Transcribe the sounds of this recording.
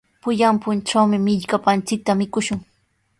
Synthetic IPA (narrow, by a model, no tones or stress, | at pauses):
pʊʎampʊnʈ͡ʂawmɪmɪʎkapant͡sɪk̚t̪amɪkʊʃʊŋ